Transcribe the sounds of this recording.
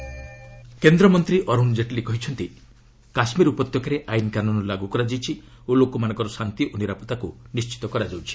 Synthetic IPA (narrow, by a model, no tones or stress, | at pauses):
kend̪ɾɔmɔnt̪ɾiʔɔɾund͡ʒeʈlikɔɦit͡ʃʰɔnt̪i | kasmiɾupɔt̪jɔkaɾeʔajinkanunɔlaɡukɔɾad͡ʒijt͡ʃʰi | olokɔmanɔ̃ŋkɔɾɔsant̪iʔoniɾapɔt̪akunist͡ʃi̥t̪ɔkɔɾad͡ʒawt͡ʃʰi̥